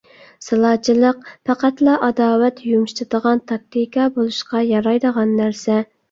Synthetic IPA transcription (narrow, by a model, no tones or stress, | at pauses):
sɨlˠɑt͡ʃʰilˠəqpʰɑqæt̪lˠɑʔɑd̪ɑːwɛt̪jumʃt̪ɨd̪̥əʁɑnt̪ʰɑk̚t̪ʰikʰɑbolˠuʃqɑjɑɾɑjd̪əʁɑnːæɾsɛ